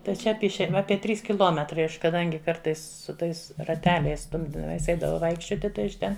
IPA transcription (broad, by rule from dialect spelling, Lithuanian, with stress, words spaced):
tɐɪ ˈt͡ʃʲɛ ˈɑːpʲiɛ ɪʃʲɛɪn ˈɑːpʲiɛ ˈtʲrʲiːs kʲɪˈlˠoːmʲɛtrɐɪ ˈɐʃ kɐˈdɐŋʲɡʲɪ ˈkɐrtɐɪs sʊ ˈtɐɪs rɐˈtʲæːlʲɛɪs ˈstʊmʲdʲiːdɐmʲiɛs ˈɛɪdɐʋɐʊ ˈʋɐɪkʃʲt͡ʃʲoːtʲɪ ˈtɐɪ ɐʃ ˈtʲɛn